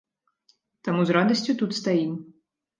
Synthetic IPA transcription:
t̪amuzrad̪ɐsʲt͡sʲut̪ut̪st̪aim

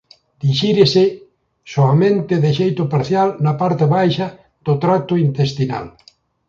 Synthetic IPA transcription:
d̪̥iʃiɾese | soamẽnt̪eðeʃejt̪ʊpaɾθjalnapaɾt̪eβajʃa | d̪̥ot̪ɾat̪ʊint̪est̪ina̰l

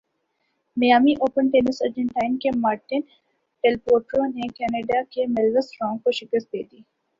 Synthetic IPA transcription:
mɐjaːmiʔoːpənʈeːnɪsəɾd͡ʒə̃ɳʈaːɪnkemaːɾʈɪn | ʈelpoːɾʈɾonekɛːneːɖakemɛlʋəsɾɔ̃ːŋɡkoʃɪkəst̪̚d̪eːd̪iː

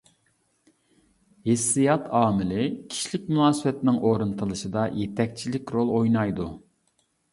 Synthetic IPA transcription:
hɪsːijɑt̪ʰɑːmɪlɪkʲʰi̥ʃilɪk̚ʲmunɑːsɨwɛt̪ɪnɪŋʔoɾɨnt̪ʰɨlˠɨʃɨd̪ɑjet̪ʰɛk̚ʲt͡ʃʰilɪkʲɾolˠojnɑjd̪u

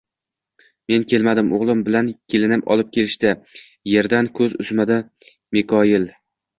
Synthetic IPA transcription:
me̞nkʲʰe̞lmad̪ɪmoʁlˠɪmbɪlankʲʰe̞lɪnɪpɒ̰lˠɪp̚kʲʰe̞lɪʃt̪a | je̞ɾd̪ankʰɵzʊ̰zmad̪a | mekʰɒjɪl

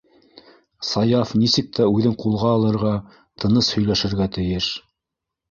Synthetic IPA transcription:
sɑjɑfnisɘk̚t̪æʉðɘŋqulˠʁɑːlˠɤ̆ɾʁɑ | t̪ʰɤ̆nɤshɵ̆jlæʃɘ̆ɾɡæt̪ɘ̆jɘʃ

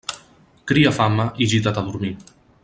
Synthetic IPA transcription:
kɾiafamaʔiʒit̪at̪aðuɾmi

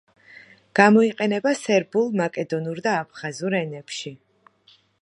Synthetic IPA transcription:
ɡ̥amɔiqʼɛnɛbasɛɾbulˠmakʼɛd̪ɔnuɾd̪aːpʰχazuɾɛnɛpʃi

